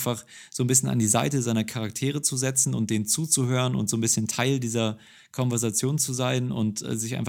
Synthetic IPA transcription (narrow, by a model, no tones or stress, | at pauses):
nfaχz̥oːnbɪs̬çəna̰ndiːzaɪtəzaɪnɐkʰaʁak̚tʰeːʁ̞ət͡suzɛt͡sn̩ʊ̰nt̚d̥eːnnt͡suːt͡suhøːʁənʊ̰ntz̥oːnbɪsçəntʰaɪldiːzɐ | kʰɔnvɛɐzat͡sjoːnt͡suzaɪnʊ̰ntʔɛ̰ːzɪçʔaɪnf